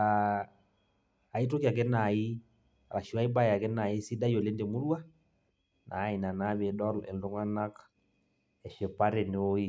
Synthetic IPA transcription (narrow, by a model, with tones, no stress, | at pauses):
a˨ | i˦t̬o˦ki˦a˨k̬ɛ˦na˨i˦˨ | ɾa˨ʃi˨wa˦i˦ba˦˨a˨kɛ˦na˨i˦si˦da˦jo˨le˦nde˨mu˦lwa˦ | nʔa̰˨˦i˨na˨na˦βe˨ɗɔ˦lɛ̰˨ldo˦ŋa˦na˦k | ɛ˨ʃe˨pa˦ɾe˨n˨˦o˦i˦